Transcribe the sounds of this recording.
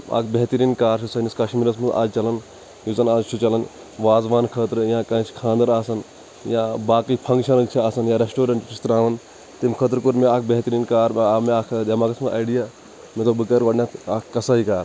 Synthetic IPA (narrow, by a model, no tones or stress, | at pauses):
a̰ːkʰbeɦt̪ɐɾiːnkaːɾt͡ʃʰusɐniskɐʃmiːɾɐsmɐna̰ːd͡ʒt͡ʃɐlɐn | juzɐnaːd͡ʒt͡ʃʰut͡ʃɐlɐn | ʋaːzʋaːnkʰət̪ɾjãːkɐ̃ːt͡ʃʰkʰãːnd̪ɐɾaːsɐn | jãbaːkipʰɐ̃ŋɡʃʰɐlɐt͡ʃʰiaːsɐnjãɾesʈoːɾɐɳʈt͡ʃist̪ɾaːʋɐn | t̪imkʰət̪ɾkuɾmeaːk̚ʰbeɦt̪ɾiːnkaːɾaːmeaːkʰd̪ɐmaːkɐsmɐʔa̰ːjɖijaː | met̪obɨkɐɾʋɐːɖnʲat̪ʰaːkːɐsaːɦikaːɾ